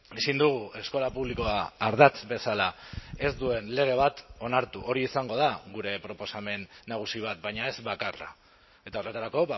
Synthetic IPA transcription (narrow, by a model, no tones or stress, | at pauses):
isind̪uɣ̞ue̞sko̞lapuβliko̞aːɾðat͡sbe̞salae̞zd̪ue̞nle̞ɣ̞e̞β̞at̪o̞naɾt̪uʔo̞ɾiːsaŋɡo̞ð̞aɣuɾe̞pɾo̞po̞same̞nːaɣ̞usiβ̞at̪̚bajɲae̞zβakara̰ | e̞t̪ao̞re̞t̪aɾako̞β